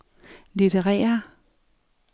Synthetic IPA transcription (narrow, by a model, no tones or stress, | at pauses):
lid̥ʰeʁɛ̰ːɐ